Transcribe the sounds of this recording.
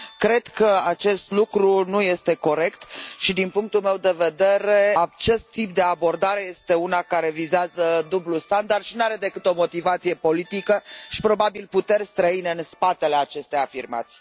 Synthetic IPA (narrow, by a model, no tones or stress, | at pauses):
kɾe̞d̪̥kəat͡ʃe̞st̪lukɾunuje̞st̪e̞ko̞ɾe̞kt̪ʃid̪inpuŋk̚t̪ulme̞wd̪e̞ve̞d̪e̞ɾe̞at͡ʃe̞st̪ːip̚d̪e̞abo̞rd̪aɾe̞je̞st̪e̞unakaɾe̞vizeazəd̪ublust̪and̪ard̪ʃinaɾe̞d̪e̞kɨt̪o̞mo̞t̪ivat̪sije̞po̞lit̪ikəʃi̥pɾo̞babilput̪e̞rʲst̪ɾəineɨnspat̪e̞le̞at͡ʃe̞st̪eafirma̰t̪sʲ